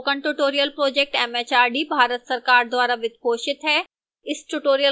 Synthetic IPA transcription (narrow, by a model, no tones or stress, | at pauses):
kə̃ɳʈuʈoːɾijəlpɾoːd͡ʒek̚ʈɛːmeːt͡ʃaːɾɖibʱaːɾət̪sɐɾkaːɾd̪waːɾaʋɪt̪poːʃɪt̪ɦɛː | ɪsʈuʈoːɾijə